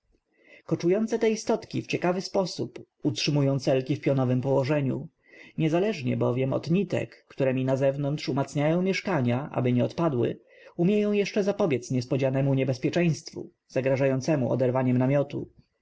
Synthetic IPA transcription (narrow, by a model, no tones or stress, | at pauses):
kɔt͡ʂujɔnt̪sɛt̪ɛist̪ɔt̪kʲift͡ɕɛkavɘspɔsup | utʂɘmujɔ̃w̃t̪sɛlkʲifpʲjɔnɔvɘmpɔwɔʐɛɲṵ | ɲɛzalɛʐɲɛ̰bɔvʲjɛmɔ̰d̪ɲit̪ɛ̰kːt̪uɾɛmʲinazɛvnɔnt̪ʂumat̪sɲajɔ̃w̃mʲjɛʂkaɲaʔa̰bɘɲɛɔt̪pad̪wɘ̰ | umʲjejɔ̃w̃jɛʂt͡ʂɛzapɔbʲjɛt̪sɲɛspɔd͡ʑanɛmuɲɛbɛspʲjɛt͡ʂɛ̃j̃st̪fṵ | z̥aɡɾaʐajɔnt̪sɛmuʔɔ̰d̪ɛɾvaɲɛmnamʲjɔt̪ṵ